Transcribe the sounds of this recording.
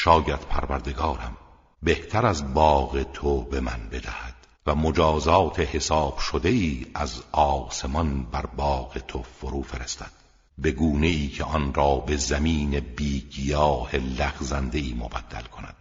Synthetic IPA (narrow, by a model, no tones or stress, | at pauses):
ʃɒːjæd̪̥pʰæɾvæɾd̪e̞ɡɒːɾæm | be̞ht̪ʰæɾæzbɒːɣet̪ʰobe̞mænbe̞d̪æhæd̪̥ | væmod͡ʒɒːzɒːt̪ʰe̞he̞sɒːb̥ʃod̪e̞iːæzɒːse̞mɒnbæɾbɒːɣe̞t̪ʰo̞foɾuːfe̞ɾest̪ʰæd̪̥ | be̞ɡuːne̞iːcʰeʔɒnɾɒːbe̞zæmiːne̞biːɡijɒːhe̞læɣzænd̪e̞iːmobæd̪̥ːæ̰lkʰo̞næ̰d̪̥